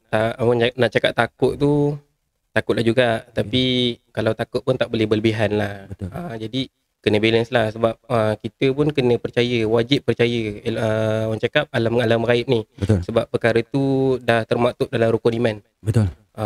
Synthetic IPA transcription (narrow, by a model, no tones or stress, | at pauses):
t̪aʔwananaʔt͡ʃakap̚t̪ak̚ʊʔt̪u | t̪akʊʔ̪lahd͡ʒuɡat̪apikalawt̪akʊʔ̪̚pʊnt̪aʔbolɛbələbiɦanlahbət̪əd͡ʒadi | kənə̃belənslahsəbap̚əkit̪əpʊnkənə̃pərt͡ʃajəwad͡ʒɪp̚ːərt͡ʃajəəwant͡ʃakap̚alamŋalamɾaɪp̚nihət̪səbapːəkaɾət̪udaht̪ərmat̪ʊʔ̚dalamɾukuniman | bət̪ul | ʔə